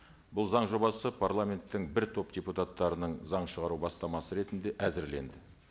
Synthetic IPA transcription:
bʊlˠzɑɴʒo̞bɑsəpʰaɾlˠamʲe̞nt̪ːɪŋbɪɾt̪ʰo̞pd̪ʲeput̪at̪ːɑɾənəɴzɑɴʃəʁɑɾubɑst̪ɑmɑsəɾe̞t̪ɪnd̪e̞ʔæzɪɾle̞̰nd̪ɪ

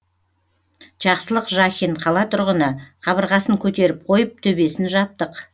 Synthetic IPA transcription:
ʒ̥ɑqsəlˠəqʒɑxʲiɴqʰɑlˠɑt̪ʰʊɾʁənəqʰɑβəɾʁɑsəŋkʲʰɵt̪e̞ɾɪp̚qʰo̞jəp̚t̪ʰɵbe̞sɪnʒɑp̚t̪əq

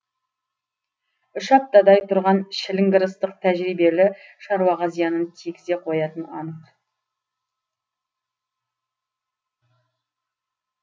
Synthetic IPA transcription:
ʊʃɑp̚t̪ɑd̪ɑjt̪ʰʊɾʁɑnʃɪlɪŋɡəɾəst̪əq̚t̪ʰæʒɾijbe̞lɪʃɑɾwɑʁɑzijɑnənt̪ʰekʲɪze̞qʰo̞jɑt̪ənɑnəq

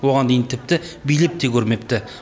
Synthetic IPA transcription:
wo̞ʁɑnd̪ejɪnt̪ʰɪp̚t̪ɪbijlep̚t̪ekʲʰɵɾme̞p̚t̪ɪ

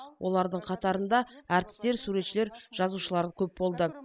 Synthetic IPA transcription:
wʔo̞̰lˠɑɾd̪əɴqʰɑt̪ɑɾənd̪ɑæɾt̪ɪ̥st̪e̞ɾsuɾe̞t̪ʃɪle̞ɾʒ̥ɑzuʃəlˠɑɾəkʲʰɵp̚bo̞lˠd̪ə

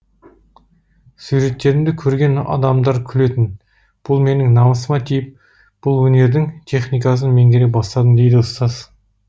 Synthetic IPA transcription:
suɾe̞t̪ːe̞ɾɪmd̪ɪkʲʰɵɾɡʲe̞nɑ̰d̪ɑmd̪ɑɾkʲʰʏle̞t̪ɪn | b̥ʊlˠme̞nɪŋnɑməsəmɑt̪ʰijɪp̚ | b̥ʊlˠwɵne̞ɾd̪ɪŋt̪ʰe̞χnijkɑs̬ənme̞ŋɡ̪ʲeɾe̞pbɑst̪ɑd̪ənd̪e̞jd̪ɪəst̪ɑz

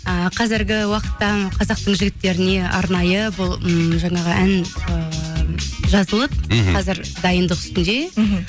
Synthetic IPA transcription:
əqʰɑzɪɾɡʲɪwɑqə̥t̪ːɑqʰɑzɑq̚t̪əɴʒɪɡʲɪt̪ːe̞ɾɪne̞ɑ̰ɾnɑjəbʊlˠʒɑɴɑʁəʔænə | ʒɑzəlˠəp̚qʰɑzɪɾd̪ɑjənd̪əqʏ̥st̪ɪnd̪e̞

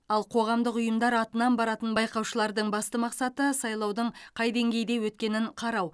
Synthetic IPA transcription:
ɑlˠqʰo̞ʁɑmd̪əqʊjəmd̪ɑɾɑt̪ənɑnbɑɾɑt̪ənbɑjqɑwʃəlˠɑɾd̪əɴbɑst̪əmɑqsɑt̪əsɑjlˠɑwd̪əɴqʰɑjd̪e̞ŋɡʲe̞jd̪e̞wɵt̪̚kʲe̞nɪɴqʰɑɾɑw

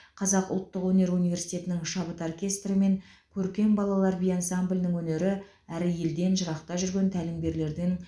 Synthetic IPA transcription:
qʰɑzɑqʊ̰lˠt̪ːəqwɵne̞ɾunijvʲe̞ɾsi̥t̪ʲe̞t̪ɪnɪŋʃɑbət̪orkʲe̞st̪rəme̞ŋkʲʰɵɾkʲe̞mbɑlˠɑlˠɑɾvijansamblʲnɪŋwɵne̞ɾɪ | æɾɪje̞ld̪e̞nʒəɾɑqt̪ɑʒʏɾɡʲe̞nt̪ʰælɪmbʲe̞ɾle̞ɾd̪ɪŋ

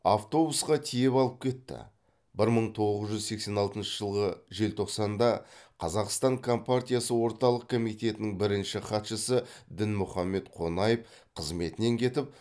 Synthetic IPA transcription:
ɑft̪o̞busqɑt̪ʰijepɑlˠəp̚kʲʰe̞t̪ːɪ̰ | bɪɾməɴt̪ʰo̞ʁəzʒʏzse̞kse̞nɑlˠt̪ənʃəʒəlˠʁəʒe̞lt̪ʰo̞qsɑnd̪ɑqʰɑzɑqst̪ɑɴkʰo̞mpart̪ʲijasəwo̞ɾt̪ɑlˠəq̚kʰo̞mijt̪e̞t̪ɪnɪŋbɪɾɪnʃɪχɑt̪ʃəsəd̪ɪnmʊχɑmːe̞t̪qʰo̞nɑjəf | qʰəzme̞t̪ɪne̞ŋkʲʰe̞t̪ɪp̚

